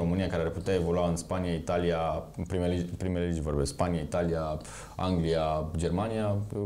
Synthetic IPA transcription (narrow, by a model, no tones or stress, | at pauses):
o̞mɨnijakaɾearput̪eae̞vo̞luaɨnspaniait̪alijapɾimelpɾimeleled͡ʒvorbesspaniait̪alija | a̰ŋɡliad͡ʒe̞rmanijaje